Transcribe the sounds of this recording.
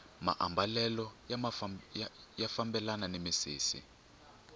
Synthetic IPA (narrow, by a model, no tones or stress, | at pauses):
ma̰ʔambalɛlɔ | jafambɛlananemisḭːsḭ